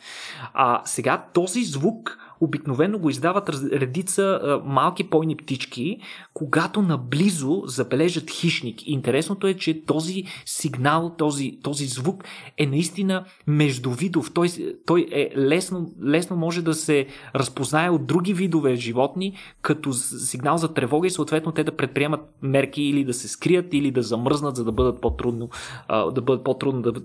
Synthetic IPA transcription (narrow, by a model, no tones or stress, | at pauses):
ɐ̰sɛɡat̪ɔzizvukobiknovɛnːoɡoizd̪avət̪ɾɛd̪it̪səmalˠkipɔjnipt̪it͡ʃk̟ikoɡat̪onɐblizozɐbɛlɛʒət̪xiʃnikiːnt̪ɛɾɛsnot̪oɛt͡ʃɛt̪ɔzisiɡnalˠt̪ɔzit̪ɔzizvukɛnɐist̪inə | mɛʒd̪ʊvid̪ʊft̪ɔjt̪ɔjɛlɛsnolɛsnomɔʒɛd̪ɐsɛɾɐspoznaɛod̪̚ɾuɡʲivid̪ovɛʒivɔt̪nikɐt̪osiɡnalˠzɐt̪ɾɛvɔɡəisoːt̪vɛt̪not̪ɛd̪ɐpɾɛt̪̚pɾiɛmət̪̚mɛɾkiːlid̪ɐsɛskɾijət̪ilid̪ɐzɐmɤɾznət̪zɐd̪ɐbɤd̪ət̪̚pot̪ɾud̪no̰d̪ɐbɤd̪ət̪̚pot̪ɾud̪nod̪ɐ